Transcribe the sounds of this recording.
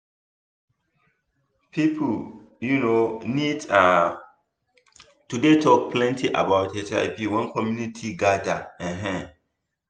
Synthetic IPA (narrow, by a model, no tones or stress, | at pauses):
pʰipʰl | junonida | tudetʰɔk̚pʰlɛ̃ntʰiʔa̰baʊtet͡ʃa̰ɪpiwɛ̃nkʰɔmjunitʰiɡadaɛ̃ɦɛ̃